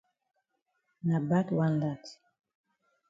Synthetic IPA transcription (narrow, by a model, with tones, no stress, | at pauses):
na˨ba˦twa˦nda˦˨t